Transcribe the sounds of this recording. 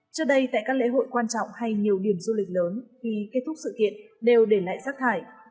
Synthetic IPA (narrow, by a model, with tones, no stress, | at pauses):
t͡ɕɨː˦˥ɗə˧jt̪a̰ː˧˨jkaː˦˥klḛ˧˥ɦo̰˧˨jkwaː˧nt͡ɕɔ̰˧˨wŋ͡mha˧jɲi˨˩əwɗi˧˩əmzu˧lï˨˩k̚ləː˨˦nvʰi˨˩ke˦˥t̚t̪ʰʊ˦˥k͡p̚sɨ̰˧˨kḭ˧˨ənɗe˨˩wɗe˧˩la̰ː˧˨jzaː˦˥k̚t̪ʰaː˧˩j